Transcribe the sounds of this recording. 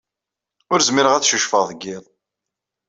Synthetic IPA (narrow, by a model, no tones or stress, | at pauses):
ʊɾzmiɾəʁæt͡sːʃəʃfəðˤɡːɪðˤ